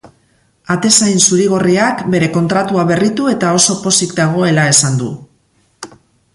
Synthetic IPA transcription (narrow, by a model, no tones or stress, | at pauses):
at̪e̞sajnsuɾiɣ̞o̞riakbe̞ɾe̞ko̞nt̪ɾat̪uaβe̞rit̪ue̞t̪ao̞so̞po̞sikd̪aɣ̞o̞e̞lae̞sand̪ṵ